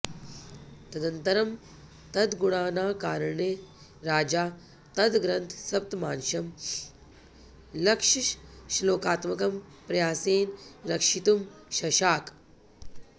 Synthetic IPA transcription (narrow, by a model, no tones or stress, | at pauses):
t̪ɐd̪ɐnt̪ɐɾɐm | t̪ɐd̪ɡuɽaːnaːkaːɾɐɳe | ɾaːd͡ʒaː | t̪ɐd̪ɡɾɐnt̪ʰsɐp̚t̪maːnʃɐm | lɐkʂiʃʃloːkaːt̪mɐkɐmpɾɐjaːseːnɾɐkʂit̪umʃɐʃaːk